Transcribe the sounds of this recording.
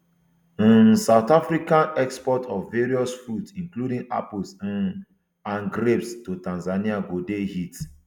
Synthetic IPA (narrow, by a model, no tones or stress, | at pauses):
saʊt̪afɾikãnɛkspɔtʰɔvːeɹiɔsfɹutsĩŋkludĩŋa̰pls | ãnɡɾepstotãnzaniaɡodehit